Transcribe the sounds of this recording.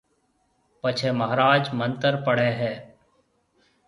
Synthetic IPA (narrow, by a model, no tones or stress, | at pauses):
pət͡ʃʰeːməɦɾaːd͡ʒmə̃nt̪əɾpəɽeːɦɛː